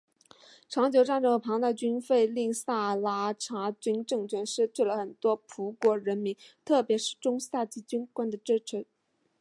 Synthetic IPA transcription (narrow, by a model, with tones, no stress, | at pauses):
ʈ͡ʂʰɑ˧˥ŋt͡ɕjo˧˥ʊʈ͡ʂa˥˩˧nʈ͡ʂɤ˥ŋxə˧˩pʰɑ˧˥ŋt̪a˥˩ɪt͡ɕy˥nfe˥˧ɪli˥˧ŋsa˥˩la˥ʈ͡ʂʰa˧˥t͡ɕy˥nʈ͡ʂɤ˥˩ŋt͡ɕʰɥɛ˧˥nʂɻ̩˥˧t̪we˥˩ɪlə˩xə˨˩nt̪wɔ˥pʰu˧˥kwɔ˧˥ɻə˧˥nmi˧˥ŋt̪ʰɤ˥˩pjɛ˧˥ʂɻ̩˥˩ʈ͡ʂʊ˥ŋsa˥˩t͡ɕi˥˩t͡ɕy˥nkwa˥nd̪ə˨ʈ͡ʂɻ̩˥ʈ͡ʂ̩ʰ˧˥